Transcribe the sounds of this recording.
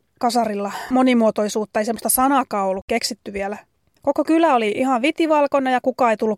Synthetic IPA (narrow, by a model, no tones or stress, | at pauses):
kɑsɑrilːɑmonimuot̪oisuːt̪ːɑeisemːost̪ɑsɑnɑkɑːolːukkeksit̪ːyʋielæ | kokokylæoliʔihɑʋʋit̪iʋɑlkonːɑjɑkukɑejt̪ulːu